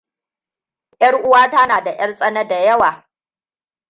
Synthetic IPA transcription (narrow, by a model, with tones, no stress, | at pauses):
jɐ˦ɽʔʊ˦waː˦ta˦naː˨da˨j̰ɐ˦ɽsʼɐ˦nɐ˦da˨jɐ˦waː˨